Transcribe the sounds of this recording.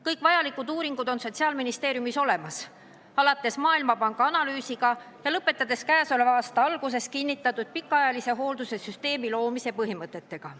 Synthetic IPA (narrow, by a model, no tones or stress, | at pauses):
kɤjkˑvɑjɑlikːˑud̪uːɾiŋɡ̥ud̪o̞nso̞t̪ʲsiɑːlminist̪eːɾjumiso̞le̞mɑs | ɑlɑt̪ːˑe̞smɑːilmɑpɑŋɡ̥ɑɑnɑlyːsiɡ̥ɑ | jɑlɤpːˑe̞t̪ːˑɑd̪̥e̞skæːso̞levɑːst̪ɑɑlɡ̥us̬e̞skinːit̪ˑːɑt̪ːˑud̪̥̚pikːˑɑɑjɑlise̞ɦo̞ːld̪̥use̞syst̪e̞ːmilo̞ːmise̞pɤɦimɤt̪ːˑe̞t̪ːe̞ɡ̥ɑ